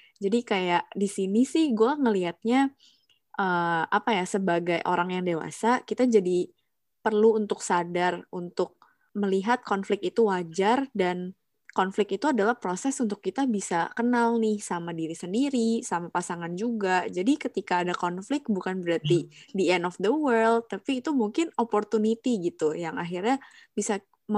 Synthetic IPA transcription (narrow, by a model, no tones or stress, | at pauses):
d͡ʒadikajaʔdisinisɪhɡuaŋəliɦat̪̚ɲa | ʔəːapajasəbaɡajʔo̰ɾaŋjaŋdewa̰sakit̪ad͡ʒadi | pərluːnt̪ʊksadarunt̪ʊk̚ | məliɦat̪̚kɔnflɪkit̪uwad͡ʒardan | kɔnflɪkit̪uadalahpɾosɛsunt̪ʊkːit̪abisakənalnɪhsamadiɾisəndiɾisamapasaŋand͡ʒuɡad͡ʒadikət̪ikaːdakɔnflɪk̚bukanbəɾat̪idiɛnɔfd̪əwərld̪̚t̪ːapiːt̪umuŋkɪnopɔrt̪unit̪iɡit̪ujaŋa̰ɦirɲabisa | m